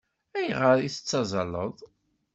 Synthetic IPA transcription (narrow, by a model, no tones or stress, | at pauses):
æjʁəɾiθə̥t͡sːɑzˤɑləðˤ